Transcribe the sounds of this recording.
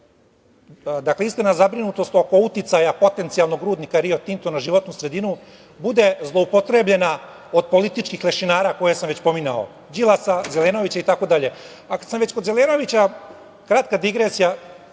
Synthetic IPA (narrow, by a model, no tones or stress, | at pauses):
d̪akleist̪enazabɾinut̪o̞st̪o̞ko̞ut̪it̪sajapo̞t̪e̞nt̪sijalˠno̞ɡɾuːd̪nikaɾiot̪int̪onaʒiʋo̞t̪nusɾe̞d̪inu | bud̪e̞zlˠoupot̪ɾeblʎe̞na | o̞d̪̚po̞lit̪it͡ʃkixle̞ʃinaːɾako̞jesamʋet͡ɕpo̞minao̰ | d͡ʑilˠasazeleːno̞ʋit͡ɕait̪ako̞d̪aʎe̞ | akad̪samʋe̞t͡ɕko̞d̪zeleːno̞ʋit͡ɕa | kɾat̪kad̪iɡɾesija